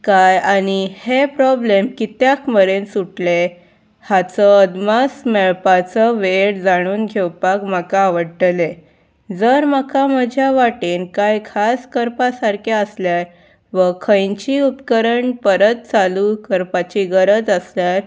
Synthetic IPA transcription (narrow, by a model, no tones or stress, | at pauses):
kajañihepɾɔblemkit̪jakməɾensuʈle | hat͡səəd̪masmeɭpat͡səʋeɽd͡zaɽ̃uːnɡʱewpakm̤akaːʋəɽʈle | d͡zəɾmakaməd͡ʑʱjaʋaʈiːnkajkʰaskəɾpasaɾkeəsljaɾ | ʋəkʰə̃jɲt͡ɕiːupkəɾəɳpəɾət̪̚t͡salukəɾpat͡ɕiɡəɾəd͡zəsljaɾ